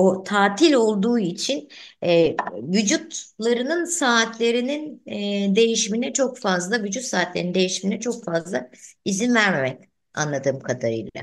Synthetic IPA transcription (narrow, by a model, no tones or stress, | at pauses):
ot̪ʰaːt̪ʰilʲo̞lˠd̪uːit͡ʃʰinɛvyd͡ʒut̪lˠaɾɯnɯnsaːt̪ʰlʲe̞ɾinind̪e̞jiʃiminɛt͡ʃʰo̞kfazlˠavyd͡ʒut̪saːt̪lʲe̞ɾnind̪e̞jiʃiminɛt͡ʃʰo̞kfazlˠaizinvæɾme̞mɛc | a̰nlˠad̪ɯːmkʰad̪aɾɯ̰jlˠa̰